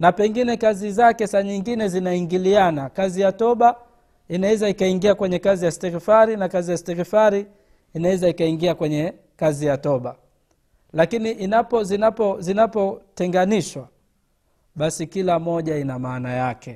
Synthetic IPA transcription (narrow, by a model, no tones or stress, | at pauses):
napɛŋɡinɛkazizakɛsaɲiŋɡinɛzinaiŋɡilianakazijatɔɓa | inawɛzaikaiŋɡiakwɛɲɛkazijastɛɾifaɾinakazijastɛɾifaɾi | inawɛzaikaiŋɡiakwɛɲɛ | kazijatɔɓa | lakiniʔinapɔzinapɔzinapɔtɛŋɡaniʃwa | ɓasikilamɔʄainamaːnajakɛ